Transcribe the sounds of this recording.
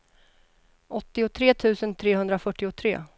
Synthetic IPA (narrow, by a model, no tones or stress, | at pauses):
ʔɔt̪ːɪʊt̪ʰɾeːt̪ʰʉ̟ːsənt̪ʰɾeːɦɵnd̪ɾafœʈːɪʊt̪ʰɾḛː